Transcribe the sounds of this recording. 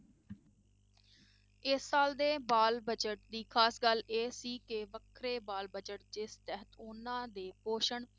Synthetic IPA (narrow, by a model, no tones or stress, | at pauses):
ɪsːaːld̪eːbaːlbəd͡ʒəʈ̚d̪iːkʰaːsɡəleːsiːkeʋəkʰɾeːbaːlbəd͡ʒəʈ̚d͡ʒɪst̪ɛɦət̪ʊnãːd̪eːpoːʃəɳ